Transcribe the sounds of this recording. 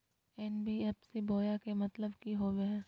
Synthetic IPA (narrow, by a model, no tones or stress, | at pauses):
ɛnbiɛːpseboːjakemɐt̪ləbkiɦoːʋeɦɛ̃